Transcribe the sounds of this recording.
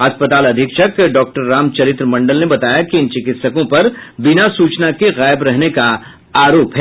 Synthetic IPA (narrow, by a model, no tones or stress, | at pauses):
ɐspət̪aːlɐd̪ʱɪkʃəkɖɔːk̚ʈəɾːaːmt͡ʃɐɾɪt̪ɾəmɐ̃ɳɖəlnebɐt̪aːjakiɪnt͡ʃɪkɪt̪səkõpɐɾbɪnasuːt͡ʃnakeɣaːɪbɾɛɦneka | aːɾoːpɦɛː